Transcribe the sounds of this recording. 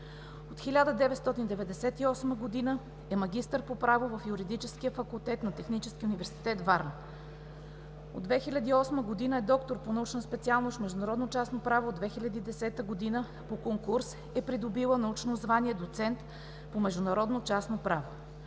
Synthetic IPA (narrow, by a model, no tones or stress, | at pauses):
ot̪xilʲad̪əd̪ɛvɛt̪st̪ɔt̪ind̪ɛvɛd̪ɛsɛt̪iɔsməɡod̪inə | ɛmɐɡ̟ʲist̪əɾpopɾavovɐfjuɾid̪it͡ʃɛskiəfɐkulˠt̪ɛt̪nɐt̪ɛxnit͡ʃɛskiunivɛɾsi̥t̪ɛt̪vaɾn | od̪vɛxilʲɐd̪iːɔsməɡod̪inəɛd̪ɔkt̪oɾponɐut͡ʃnəspɛt̪sialˠnosmɛʒd̪ʊnɐɾɔd̪not͡ʃasnopɾavoːd̪vɛxilʲɐd̪iːd̪ɛsɛt̪əɡod̪inə | pokoŋkuɾs | ɛpɾid̪obilˠənɐut͡ʃnozvaniɛd̪ot̪sɛnt̪ | pomɛʒd̪ʊnɐɾɔd̪not͡ʃasnopɾavo